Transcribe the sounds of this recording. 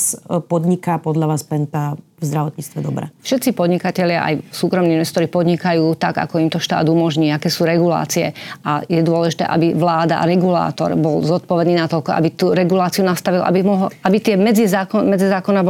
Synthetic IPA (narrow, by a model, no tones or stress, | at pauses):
spɔd̪ɲikapɔd̪ʎaʋaːspɛnt̪a | vzd̪ɾaʋɔt̪ɲiːt͡st̪ʋɛd̪ɔbɾa̰fʃɛt̪t͡sipɔd̪ɲikacɛʎɪa̰ʔa̰jsuːkɾɔmniinʋɛst̪ɔɾipɔd̪ɲikajuːt̪aɡa̰kɔimt̪ɔʃt̪a̰ːd̪umɔʒɲiːakɛːsuːɾɛɡula̰ːt͡siɛ̰ʔajɛd̪ʊɔlɛʒit̪ɛ̰ːʔa̰biʋlaːd̪a̰ɾɛɡula̰ːt̪ɔ̰ɾbɔlzɔt̪̚pɔʋɛd̪niːnat̪ɔʎkɔa̰bit̪uɾɛɡulaːt͡siunast̪aʋilʔa̰bimɔɦabit̪ɪɛmɛd͡zizaːkɔmɛd͡zizaːkɔnab